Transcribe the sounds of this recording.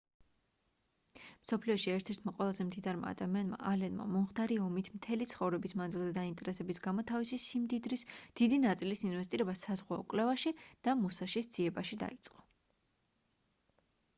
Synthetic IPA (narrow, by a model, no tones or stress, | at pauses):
msɔpʰliɔʃiɛɾt̪ʰɛɾt̪ʰmaqʼwɛlˠazɛmd̪id̪aɾma̰ːd̪amianma̰ʔalɛnma̰mɔmχt̪ʰaɾiɔmit̪ʰmt̪ʰɛlit̪sʰχɔvɾɛbismanzilˠzɛd̪aint̪ʼɛɾɛsɛbisɡamɔt̪ʰavisisimd̪id̪ɾisd̪̥id̪inat̪sʼilisinvɛst̪ʼiɾɛbasazʁwaɔkʼlɛvaʃid̪̥amusaʃisd̪z̥iɛbaʃid̪a̰it̪sʼqʼɔ̥